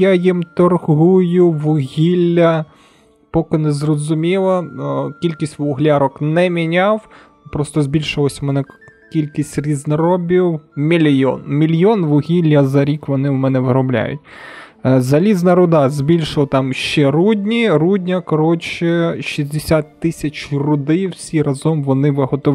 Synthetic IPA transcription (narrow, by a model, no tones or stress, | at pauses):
jajimt̪ɔrɦujʊʋʊɦʲilʲːɐ | pɔkɪnɛzrɔzʊmʲilˠɐkʲilʲkʲisʲtʲʋʊɦlʲaɾɔknɛmʲinʲɑw | pɾɔst̪ɔzʲbʲilʲʃɪlˠɔsʲɐmɛnɛkʲilʲkʲisʲtʲrʲiznɐɾɔbʲiwmʲilʲjɔ̰nmʲilʲjɔnʋʊɦʲilʲːɐzɐɾʲikʋɔnɪʊmɛnɛʋɪɾɔblʲa̰jʊ̰tʲ | zɐlʲiznɐɾʊd̪ɑzʲbʲilʲʃɪlˠɐt̪ɑmʃt͡ʃɛɾudʲnʲiɾudʲnʲɐkɔɾɔt͡ʃɪʃizʲd̪esʲat̪ːɪsʲɐt͡ʃrʊd̪ɪjwsʲirɐzɔmʋɔnɪʋɪɦɔt̪ɔ